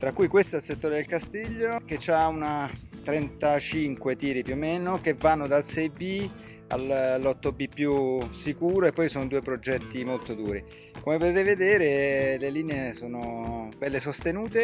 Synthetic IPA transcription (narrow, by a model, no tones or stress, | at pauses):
t̪ɾakːujkwest̪oɛlset̪ːoːɾed̪elkast̪iʎːok̟et͡ʃːaunat̪ɾɛnt̪at͡ʃiŋkwet̪iːɾipjumːɛnok̟evanːod̪alsɛjbi | a̰llːɔt̪ːobipːjusikuːɾoepːɔjsoːnod̪uːepɾod͡ʒɛt̪ːimolt̪od̪uːɾi | komepet̪et̪eved̪ɛːɾeleliːneesoːnobɛlːesost̪enuːt̪e